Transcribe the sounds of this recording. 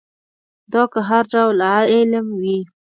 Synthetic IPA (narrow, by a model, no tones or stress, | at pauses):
d̪ɑkaɦaɾɖawlɪɪlmwi